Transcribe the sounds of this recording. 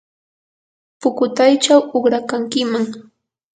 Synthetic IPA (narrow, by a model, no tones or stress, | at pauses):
pʊkʊt̪ajt͡ʃawʊχɾakaŋkɪmaŋ